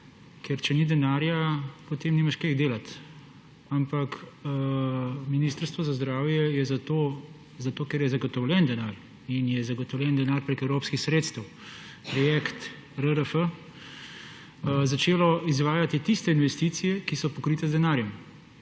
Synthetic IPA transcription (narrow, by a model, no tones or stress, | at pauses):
kɛɾt͡ʃɛnid̪ɛnaːɾjapɔt̪eːmnimaʃkeɣd̪eːlat̪ | ampak | miniːst̪əɾst̪ʋɔzazd̪ɾaːwjɛjɛzat̪o | zat̪oːkɛɾjɛzaɡɔt̪ɔwlʲjɛnd̪ɛnaːɾ | injɛzaɡɔt̪ɔwlʲɛnd̪ɛnaːɾpɾekɛwɾoːpskixsɾeːt̪st̪ɛw | pɾɔjekt̪ | ɾəɾəfə | zat͡ʃeːlɔizʋaːjat̪it̪ist̪ɛinʋɛst̪it̪sijɛkisɔpɔkɾiːt̪ɛzd̪ɛnaːɾjɛm